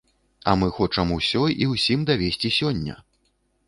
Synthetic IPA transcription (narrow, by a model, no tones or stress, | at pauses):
ɐmɨxɔt͡ʂɐmusʲɔjiwsʲimd̪avʲesʲt͡sʲisʲɔnʲːɐ̰